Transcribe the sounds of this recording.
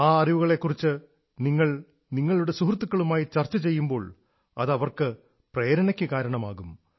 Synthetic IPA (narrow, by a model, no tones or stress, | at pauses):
aːɐriʋuɣɐɭe̞kːurit͡ɕːɨ | niŋːɐɭ | niŋːɐɭuɽe̞suɦrt̪ːukːɐɭumaːjit͡ɕɐrt͡ɕːɐt͡ɕe̞jːumbo̞ːɭ | ɐ̰ðɐʋɐrkɨ | prejɐɾɐɳɐkʲːɨkaːɾɐɳɐmaːɣum